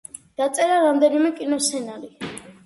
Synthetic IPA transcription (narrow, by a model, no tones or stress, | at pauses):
d̪̥at̪sʼɛɾaɾamd̪ɛnimɛkʼinɔsɛnaɾi